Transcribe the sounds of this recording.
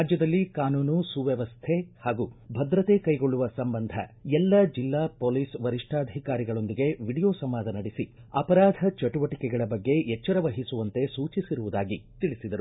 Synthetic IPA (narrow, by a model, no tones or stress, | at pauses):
ad͡ʒjɐd̪ɐlːikaːnuːnusuʋjɛʋɐst̪ʰe̞haːɡubʱɐd̪ɾɐt̪e̞kɐjɡo̞ɭːuʋɐsɐmbɐnd̪ʱɐ̰ɛlːɐd͡ʒilːaːpoːlisʋɐɾiʂʈʰaːd̪ʱikaːɾiɡɐɭo̞nd̪iɡe̞ʋiɽijoːsɐmːaːd̪ʱɐnɐɽisiɐpɐɾaːd̪ʱɐt͡ʃɐʈuʋɐʈikɛɡɐɭɐbɐɡːe̞jɛt͡ʃːɐɾɐʋɐɦisuʋɐnt̪e̞suːt͡ʃisiɾuʋud̪aːɡit̪iɭisid̪ɐɾu